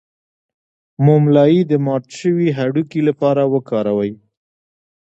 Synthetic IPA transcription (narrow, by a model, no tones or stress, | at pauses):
momlɑjid̪əmɑʈʃəwiɦaɽukilapɑɾawəkɑɾawəj